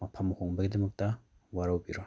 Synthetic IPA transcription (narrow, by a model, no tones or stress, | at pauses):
mɐpʰɐmhoŋbɐɡidɐmɐk̚tɐ | waɾawbiɾo